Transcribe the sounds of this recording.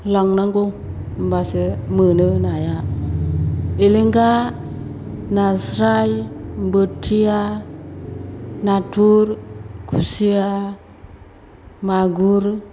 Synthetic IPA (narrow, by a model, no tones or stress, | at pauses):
laŋnaŋɡo | m̩basemənənaja | eliŋɡa | nasɾajmbətʰija | natuɾkusija | maɡuɾ